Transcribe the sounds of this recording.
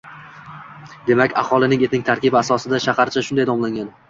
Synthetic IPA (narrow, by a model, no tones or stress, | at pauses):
d̪e̞makʲa̰χɒlˠɪnɪŋet̪ɪŋʲt̪ʰaɾkʲɪbɪasɒsɪd̪aʃahaɾt͡ʃʰaʃʊnd̪ajd̪ɒmlˠaŋʲɡʲan